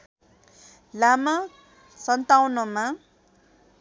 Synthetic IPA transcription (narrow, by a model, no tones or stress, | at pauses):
lama | sʌnt̪awnʌma